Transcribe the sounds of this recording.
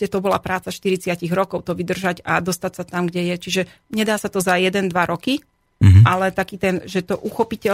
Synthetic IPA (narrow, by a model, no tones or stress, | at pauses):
ɛt̪ɔbɔlapɾaːt͡saʃt̪iɾit͡sɪaciɣɾɔkɔʊt̪ɔʋid̪r̩ʒaɟad̪ɔst̪acsat̪amɡɟɛjɛt͡ʃiʒɛɲɛd̪aːsat̪ɔzajɛd̪ɛnd̪ʋaɾɔki | ʔalɛt̪akiːt̪ɛnʒɛt̪ɔʔuxɔpicɛ